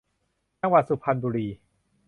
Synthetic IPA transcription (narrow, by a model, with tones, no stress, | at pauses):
t͡ɕa˧ŋwa˨˩su˨˩pʰa˧nbuː˧ɾiː˧